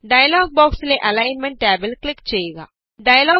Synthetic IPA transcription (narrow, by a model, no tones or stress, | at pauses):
ɖɐjɐlaːɡ̚baːksleːʔɐlɐjnmeɳʈʈaːbelklikt͡ʃeːjuɡa̰ː | ɖɐjɐlaː